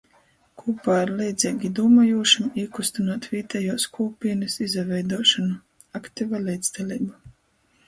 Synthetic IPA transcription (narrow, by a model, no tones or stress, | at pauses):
kʰuːpaːiɾlɛjd̪zʲɛːɡʲid̪uːmajuɔʃumiːkust̪unaːt̪viːt̪ɛjuːskʰuːpʲiɛnɨsizavʲɛjd̪uɔʃɔnu | akt̪ivalɛːd̪zd̪alʲiːba